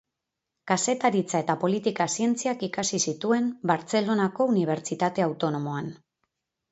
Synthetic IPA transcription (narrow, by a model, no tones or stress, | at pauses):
kase̞t̪aɾit͡sae̞t̪apo̞lit̪ikasie̞nt͡siakikasisit̪ue̞mbaɾt͡se̞lo̞nako̞uniβ̞e̞ɾt͡ʃit̪at̪e̞awt̪o̞no̞mo̞an